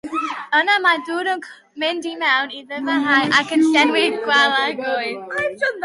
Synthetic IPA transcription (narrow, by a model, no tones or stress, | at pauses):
ɔnamaduːɾənkʰ | mɪndimɛwniðəvəɦajʔakʰə̃nsdɛnwɪdɡwɛlˠaɡʊjð